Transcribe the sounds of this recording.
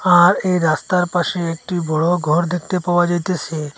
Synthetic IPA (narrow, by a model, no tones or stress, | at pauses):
aɾejɾast̪aɾpaʃeek̚ʈibɔɽoɡʱɔɾd̪ek̚ʰt̪epawad͡ʑajt̪et͡ʃʰe